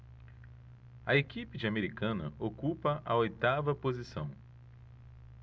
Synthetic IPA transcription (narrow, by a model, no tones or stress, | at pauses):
ɐekipɪd͡ʒɪameɾikɐ̃nɐ̰ʔokupɐʔɐojt̪avɐpozisɐ̰̃w̃